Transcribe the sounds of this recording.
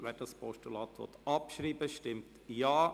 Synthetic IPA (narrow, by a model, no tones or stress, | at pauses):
ʋɛdɑspʰɔʃtulɑːt̪ʋɔ̰t̪ɑpʃɾiːbəʃtɪmt | jɑː